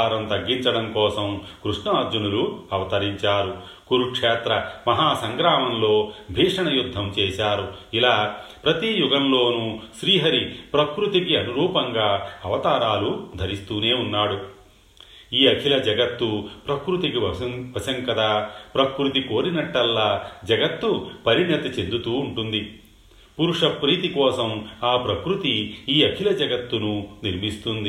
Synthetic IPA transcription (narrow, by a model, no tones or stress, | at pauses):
aːɾɐmt̪ɐɡːiɲt͡ʃɐɽɐmkɔːsɐmkɾuʂɳɐɾd͡ʒunuluɐʋɐt̪ɐɾiɲt͡ʃaːɾu | kuɾukʂɛːt̪ɾɐmɐɦaːsɐŋɡɾaːmɐmlo̞ːbʱiːʂɐɳɐjud̪ʱːɐmt͡ʃɛːʃaːɾuilaːpɾɐt̪ijuɡɐmlo̞ːnuʃɾiːɦɐɾipɾɐkɾut̪ik̬iɐnuɾuːpɐŋɡaːɐʋɐt̪aːɾaːlud̪ʱɐɾist̪uːneːunːaːɽu | iːɐkʰilɐd͡ʒɐɡɐt̪ːupɾɐkɾut̪ikiʋɐsɐŋkɐd̪aːpɾɐkɾut̪̬iko̞ːɾinɐʈːɐlːaːd͡ʒɐɡɐt̪ːupɐɾinɐt̪ɐt͡ʃend̪ut̪uːɳʈund̪i | puɾuʂɐpɾiːt̪ikɔːsɐmaːpɾɐkɾut̪iiːɐkʰilɐd͡ʒɐɡɐt̪ːununiɾmist̪und̪i